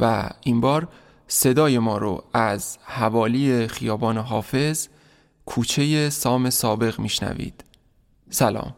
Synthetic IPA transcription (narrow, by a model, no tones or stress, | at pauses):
væ̰iːmbɒːɾ | se̞d̪ɒːje̞mɒːɾo̰æzhævɒːliːe̞xijɒːbɒːneɦɒːfe̞z | kʰuːt͡ʃʰe̞je̞sɒːme̞sɒːbe̞ɣmiːʃnæ̰vḭːd̪̥ | sælɒ̰ːm